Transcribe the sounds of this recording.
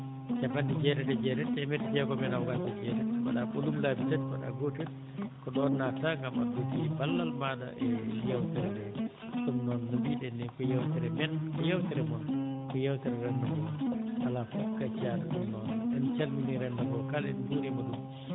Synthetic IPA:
t͡ʃabandɛd͡ʒɛɾɛdɛd͡ʒɛɾɛdɛmɛdɛd͡ʒɛɡɔmɛnawɡantad͡ʒɛɾɛba̰ɗabolublabitatba̰ɗa̰ɡotil | kɔɗɔnːataŋɡama̰ɡotibalːalmada̰ʔɛjawtiɾɛdɛ | ɗumnɔnːubiɗɛnɛkɔjawtiɾɛmɛnkɔjawtiɾɛmɔkɔjawtiɾɛɾɛnːamiaʔalafɔbkat͡ʃaɗɗumnɔnɛnt͡ʃalminiɾɛndaɡɔlkalɛ̰nhuɾimadum

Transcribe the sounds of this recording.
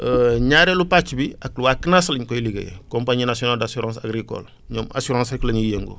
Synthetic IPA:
əɲaɾelupat͡ʃibiakluwakːənaslɲkojiliɡḛjḛkompaɲiːnasijonaldasuɾãːsa̰ɡɾikɔ̰l | ɲoːma̰suɾãseklɐɲujeŋɡo̰

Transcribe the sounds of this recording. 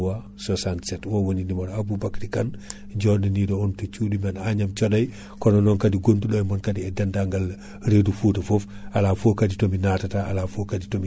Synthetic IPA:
wa | sosansɛtwowonindimaɾabubakɾikan | ɟɔːninidɔɔntut͡ʃuːdimɛnaɲamt͡ʃɔdaj | kɔnɔnɔnkadiɡonduɗɔjmɔnkadiɛdandaŋɡal | ɾedufuːtafof | alaːfokaditominatataalafokaditomi

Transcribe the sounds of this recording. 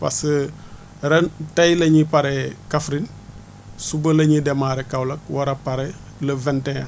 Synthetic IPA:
pa̰sə | ɾɛntɐjlɐɲipaɾɛkafɾin | subəlɐɲidɛmaɾɛkawlɐk̚wɐɾɐpaɾɛ | lɐvɛntɛa

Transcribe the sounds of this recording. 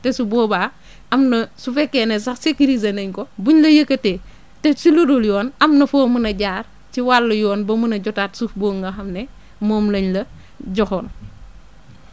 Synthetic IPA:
tɛsubɔːbaː | ʔɐmnɐsufɛkːenɛs̬ɐxsekiɾiz̬ɐnɐɲkobuɲlɐjɐkːɐte | tɛsilodoljɔːnɐmnɐfoːmunɐɟaːr | ciwalːɐjɔːnbɐmunɐɟɔtaːtsufboːŋɡɐxɐmnɛ | mɔːmlɐɲlɐ | ɟɔxɔːn

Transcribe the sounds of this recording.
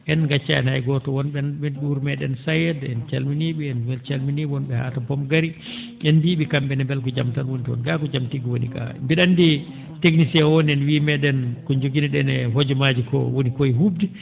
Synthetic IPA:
ʔɛnɡat͡ʃːaɛ̰nhajɡɔtɔwɔnɓɛnɛɗuɾmɛɗɛnsajɛdɛnt͡ʃalminiɓiɛnmɛlt͡ʃalminiɔnɓɛha̰ːtabɔmɡaɾi | ɛnbiɓikamɓɛnɛmbɛlkɔd͡ʒamtanwonitwɔ̰nɡakɔd͡ʒamtiɡiwonḭka̰mbiɗandi | teknisɛwoniɛnwimɛɗɛnkɔɲd͡ʒoɡinɛɗɛnɛɦod͡ʒɔmad͡ʒikɔ̰wonikojɦubdi

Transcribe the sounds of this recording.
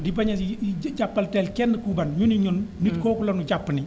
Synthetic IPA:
dibɐɲɐd͡ʒapːɐltɛlkɛndəkuːbɐnɲuniɲɔnmitkɔːkulɐnuɟapːni

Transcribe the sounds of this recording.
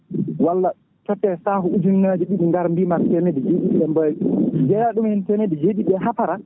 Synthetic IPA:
walːa | tɔtːɛsaːhuud͡ʒumnad͡ʒiɗiɗuŋɡaɾmbimaɾtɛnedɛd͡ʒeɗiɓɛmbad͡ʒɛjaɗumhɛntɛnedɛd͡ʒeɗiɓɛɦapaɾa

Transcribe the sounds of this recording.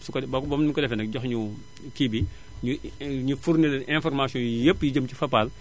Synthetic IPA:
sukbbɔmnikɔdɛfɛnɐk̚ɟɔxɲu | kibi | ɲuɲufurnilʔɛ̃fɔrmasiɔ̃jepːjiɟəmcifɐpal

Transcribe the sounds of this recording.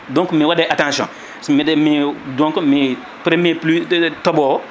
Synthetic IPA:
dɔ̃ŋkmẽwadɛʔatãsjɔ̰̃ | smedɛmẽdɔ̃ŋkmɛ | pɾemeplytɔbɔ

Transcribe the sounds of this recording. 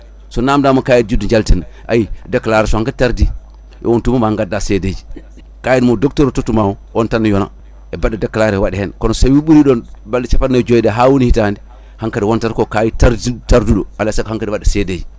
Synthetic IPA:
sɔnamdaːmakaːjind͡ʒuduɲd͡ʒaltinaʔa̰jidakːalaɾɛsɔhaŋkataɾdi | ʔɛ̰wontumamaŋɡadːaseded͡ʒi | kaːjinmodɔktɔɾɔtotːumawɔwɔntanːajɔna̰ | ɛbadːadakːalaɾɛwaɗɛhɛnkɔnɔsawiɓuɾiɗɔnbalːit͡ʃafanːad͡ʒojɗaɦawunihitahandi | haŋkaɾiwɔntaɾkokajitaɾditaɾduɗɔalsakhaŋkaɾiwadːaseded͡ʒi

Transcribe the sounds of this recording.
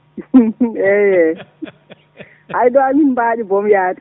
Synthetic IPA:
ɛjɛ | hajɗɔamimbaːɗibɔmjaːtʼ

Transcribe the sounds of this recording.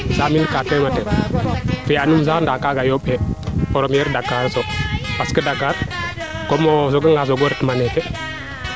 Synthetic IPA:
saminkatɛmatɛ | fijanums̬aːndakaɡajoɓɛpɔɾɔmjɛɾdakaɾsɔpaskədakaɾ | kɔmɔs̬ɔɡəŋɡas̬ɔɡɔɾtmanɛkɛ

